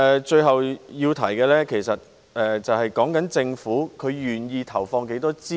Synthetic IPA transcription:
ɛː˨˧t͡ʃɵ˧ɥɦɐ˨wjiː˧wt̪ʰɐ˨˩jkɛː˧lɛː˥kʰe˨˩jsɐ˨t̚ | ɛː˨˩t͡sɐ˨whɐ˨jkɔː˨˥ŋkɐ˨˥nt͡sɪ˧ŋfuː˨˥kʰɵ˨˧ɥjyː˨njiː˧t̪ʰɐ˨˩wfɔː˧ŋke˨˥jt̪ɔː˥t͡siː˥

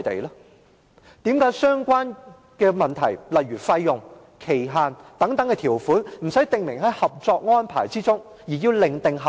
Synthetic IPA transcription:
t̪ḛ˨jlɔː˥ | t̪iː˨˥mkaː˨˥jsœː˥ŋkʷaː˥n | kɛː˧mɐ˨˩nt̪ʰɐ˨˩jlɐ˨jɥyː˨˩fɐ˧jːʊ˨ŋ | kʰe˨˩jɦaː˨nt̪ɐ˨˥ŋt̪ɐ˨˥ŋkɛː˧t̪ʰiː˨˩wfuː˨˥nm̩˨˩sɐ˨˥jt̪ɪ˨ŋmɪ˨˩ŋɦɐ˨˥jhɐ˨p̚t͡sɔː˧k̚ŋɔː˥npʰa̰ː˨˩jt͡siː˥t͡sʊ˥ŋ | jiː˨˩jiː˧wlɪ˨ŋt̪ɪ˨ŋɦɐ˨

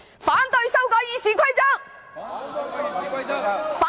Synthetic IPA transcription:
faː˨˥nt̪ɵ˧ɥsɐ˥wkɔː˨˥jiː˧siː˨˥kʰɐ˥ɥt͡sɐ˥k̚ | faː˨

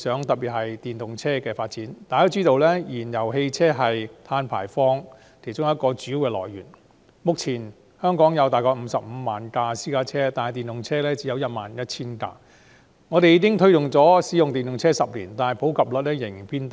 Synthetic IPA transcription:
sœː˨˥ŋt̪ɐ˨˩piː˨˩t̚hɐ˨˩jt̪iː˨˩nt̪ʊ˨ŋt͡sʰɛː˥kɛː˧faː˧t̚t͡siː˨˥nt̪aː˨jo˥wt͡siː˥t̪o˨˧wlɛː˥jiː˨˩njɐ˨˩wɦe˧jt͡sʰɛː˥ɦɐ˨jt̪ʰaː˧npʰa̰ː˨˩jfɔː˥ŋ | kʰe˨˩t͡sʊ˥ŋjɐ˥t̚kɔː˧t͡syː˨˥wkɛː˧lɔ̰ː˨˩jɥyː˨˩n | mʊ˨k̚t͡sʰiː˨˩n | hœː˥ŋkɔː˨˥ŋjɐ˨˧wt̪aː˨jkɔː˧m̩ː˨˧˥sɐ˨p̚m̩˨˧˦maː˨˩nkaː˧siː˥kaː˧˥t͡sʰɛː˥t̪aː˨nhɐ˨jt̪iː˨nt̪ʊ˨ŋt͡sʰɛː˥lɛː˥t͡si˨˥jɐ˨˧wjɐ˥t̚ma̰ː˨njɐ˥t̚t͡sʰiː˥nka̰ː˧ | ŋɔː˨˧ɾe˨jiː˧˥kɪ˥ŋt̪ʰɵ˥ɥt̪ʊ˨˩ŋt͡sɔː˨˥siː˨˥jʊ˨ŋt̪iː˨nt̪ʊ˨ŋt͡sʰɛː˥sɐ˨p̚liː˨˩nt̪aː˨nɐ˨˩pʰo˨˥wkʰɐ˨p̚lə˨˥lɛː˥jɪ˨˩ŋpʰiː˥nt̪

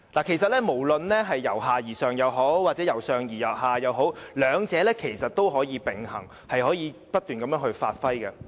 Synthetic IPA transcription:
laː˨˩kʰe˨˩jsɐ˨t̚lɛː˥mo˨˩wlɵ˨nlɛː˥ɦɐ˨jːɐ˨˩wɦaː˨jiː˨˩sœː˨ŋjɐ˨˧wɦo˨˥wwaː˨t̚t͡sɛː˨˥jɐ˨˩wsœː˨ŋjiː˨˩jɐ˨˩w̚haː˨jɐ˨˧wɦo˨˥wlœː˨˧ŋt͡sɛː˨˧˥lɛː˥kʰe˨˩jsɐ˨t̚t̪o˥wɦɔː˨˥jiː˨˧pɪ˨˩ŋhɐ̰˨˩ŋ | hɐ˨jhɔː˨˥jiː˨˧pɐ˥t̚t̪yː˨nkɐ˨˥mjœː˨˥ŋhɵ˧ɥfa̰ː˧t̚fɐ˥jɡɐ˧

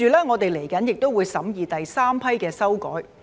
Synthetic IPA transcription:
yː˨˧lɛː˥ŋɔː˨˧t̪e˨jle˨˩jkɐ˨˥njɪ˨k̚t̪o˥wuː˨˧jsɐ˨˥mjiː˨˧t̪ɐ˨jsaː˥mpʰɐ˥jkɛː˧sɐ˥wkɔ̰ː˨˥j

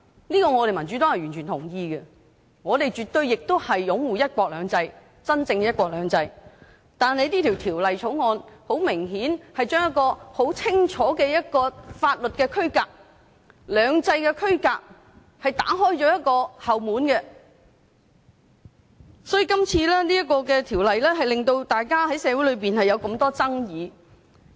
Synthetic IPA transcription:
niː˥kɔː˧ŋɔ˨˧ɾe˨jmɐ˨˩nt͡ʃy˨˥t̪o˥whɐ˨jɥyː˨˩nt͡ʃʰyː˨˩nt̪ʰʊ˨˩ŋjiː˧ɡɛ˧ | ŋɔː˨˧t̪e˨jt͡ʃyː˨t̪̚ɵ˧ɥjɪ˨k̚t̪o˥whɐ˨jːʊ˨˥ŋwuː˨˩jɐ˥t̚kʷɔː˧k̚lœː˨˧ŋt͡sɐ˧j | t͡sɐ˥nt͡sɪ˧ŋɛ˧jɐ˥t̚kʷɔː˧k̚lœː˨˧ŋt͡sɐ˧j | t̪aː˨˩nhɐ˨jt̪iː˥t̪ʰi˨˩wt̪ʰiː˨˩wlɐ˨jt͡sʰo˨˥wŋɔː˧nho˨˥wmɪ˨˩ŋɦiː˨˥nhɐ˨jt͡ʃœː˥ŋjɐ˥t̚kɔː˧ho˨˥wt͡sʰɪ˥ŋt͡ʃʰɔː˨˥kɛː˧jɐ˥t̚kɔː˧faː˧t̚lɵ˨t̚kɛː˧kʰɵ˥ɥkaː˧k̚ | lœː˨˧ŋt͡sɐ˧jkɛ˧kʰɵ˥ɥkaː˧k̚ | hɐ˨jt̪a̰ː˨˥ɦɔː˥jt͡ʃɔː˨˥jɐ˥t̚kɔː˧hɐ˨wmuː˨˥nkɛ˧ | sɔː˨˥ji˨kɐ˥mt͡sʰiː˧lɛː˥ni˥jɐ˥t̚kɔː˧kɛ˧t̪ʰiː˨˩wlɐ˨jlɛː˥ɦɐ˨jlɪ˨ŋt̪o˧wt̪aː˨jkaː˥hɐ˨˥jsɛː˨˧wu˨˥jlɵ˨˧ɥpiː˨nhɐ˨jɐ˨˧wkɐ˧mt̪ɔː˥t͡sɐ˥ŋjiː˨˧

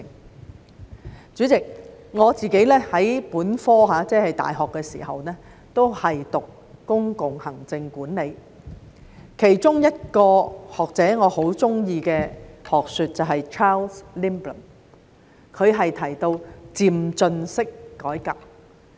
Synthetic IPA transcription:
ŋ | t͡syː˨˥t͡sɪ˨k̚ŋɔː˨˧t͡siː˨ke˨˥jlɛː˥hɐ˨˥jpuː˨˥nfɔː˥ɦaː˨˧˥t͡sɛː˥hɐ˨˩jt̪a̰ː˨jɦɔː˨kːɛː˧sḭː˨˩hɐ̰˨wnɛː˥ | t̪o˥whɐ˨jt̪ʊ˨k | kʊ˥ŋkʊ˨ŋhɐ˨˩ŋt͡sɪ˧ŋkuː˨˥nle˨˧j | kʰe˨˩jt͡sʊ˥ŋjɐ˥t̚kɔː˧hɔː˨k̚t͡sɛː˨˥ŋɔː˨˧ho˨˥wt͡sʊ˥ŋjiː˧kɛː˧hɔː˨k̚sy˨˧t̚t͡sɐ˨wɦɐ˨jt͡ʃʰaː˥lsli˥mplɐ˨˩n | kʰɵ˨˧ɥɦɐ˨jt̪ʰɐ˨˩jt̪o˧wt͡siː˨˩mt͡sɵ˧nsɪ˥kːɔː˨˥jkaː˨˩p̚

